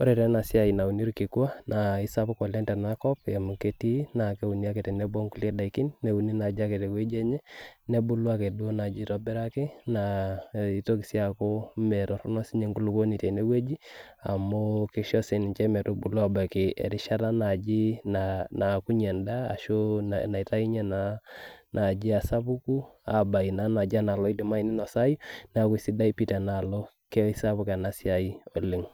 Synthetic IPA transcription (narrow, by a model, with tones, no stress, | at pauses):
o˦ɾe˨ɾɛ˦na˨si˦a˨i˨na˨u˨ni˦ɾu˦ki˨ku˦a˦na˨i˦sa˦pa˦kɔ˨lɛ˦ntɛ˨na˦kɔ˦pɛ˨mu˨ke˦ti˦na˨ke˦u˨ni˦a˦ke˨tɛ˨nɛ˦bo˦ŋku˦le˦da˨i˨ki˦nːe˨u˨ni˦na˨d͡ʒa˦ke˨te˨we˦d͡ʒɛ˦ɲɛ˦ne˦bu˦lu˦a˦ke˨du˦o˦na˨d͡ʒi˦tɔ˦bɛ˦ɾa˦ke˦na˨i˦to˦ki˨si˦a˨ko˦mɛ˨ɾɔ˨ɾɔ˦nɔ˦si˦ɲe˦ŋɡu˦lu˨ko˦ni˨tɛ˨ne˦we˦d͡ʒi˦a̰˨mo˦kɪ˦ʃɔ˦se˨nɪ˨ɲt͡ʃɛ˦mɛ˨to˦bu˨lɔ˦a˨ba˨kɪ˨ɛ̰˨ɾɪ˦ʃa˦ta˦na˨d͡ʒi˦nana˨ku˦ɲɛ˨nda̰ː˦˨ʃo˦na˨i˨ta˦i˦ɲɛ˦nanʔa˨d͡ʒɪ˦a˨sa˦pu˦ku˦a̰˨ba˨i˨na˦na˨d͡ʒa˦na˨lɔ˦i˦dɪ˨ma˦i˨nɪ˦nɔ˨sa˦ji˦n˦a˨ku˦isi˦da˦i˦pi˦tɛ˨na˨lo˦ | kɛ˦i˦sa˦bu˦kɛ˨na˦si˦a˨i˦ɔ˨lɪ˦ŋ